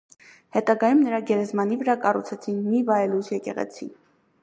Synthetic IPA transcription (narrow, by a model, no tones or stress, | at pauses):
hɛt̪ɑɡɑjumnəɾɑɡɛɾɛzmɑnivəɾɑkɑrut͡sʰɛt͡sʰinmivɑɛlusjɛkɛ̰ʁɛ̰t͡sʰḭn